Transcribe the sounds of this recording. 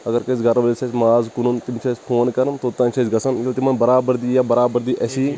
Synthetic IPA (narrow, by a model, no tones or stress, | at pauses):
ɐɡɐɾkɐsɡɐɾʋɐlsɐsmaːzkununt̪imt͡ʃʰɐːspʰoːnkɐɾɐnt̪oːt̪ːɐ̃nʲt͡ʃʰɐsɡɐsɐnkilt̪imɐnbɐɾaːbəɾd̪iːjaːbɐɾaːbɐɾd̪iːʔɐsiː